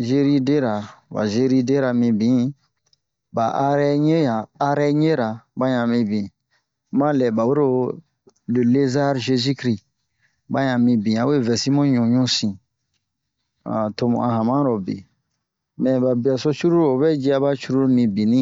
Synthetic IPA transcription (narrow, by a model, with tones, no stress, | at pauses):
ʒe˦ɾi˦de˦ɾa˨ba̰˨ʒe˦ɾi˦de˦ɾa˨mĩ˧˨bĩ˨˦ | ba˨ʔa˦ɾɛ˦ɲe˦aː˨˦ɾɛ˦ɲe˦ɾa˨bã˦ɲã˨mĩ˧bĩ˨ | mã˦lɛ˨ba˨we˦ɾo˦ | le˨le˦za˦ɾʒe˦zi˦kɾi˦ | ba˦ɲã˨mĩ˧bĩ˨a˨˦we˦˨vɛ˨si˦mɔ̃˦ɲũ˨ɲũ˦sĩ˨ | a̰˨to˧mṵ̃˨ã˧ɦã˨mã˦ɾɔ˨bḛ˨ | mɛ̃˨ba˨bi˨a˨so˦t͡ʃu˦ɾu˦ɾo˨βɛ˦d͡ʒi˦a˦ba˦t͡ʃu˦ɾu˦ɾmĩ˨bĩ˨nĩ˦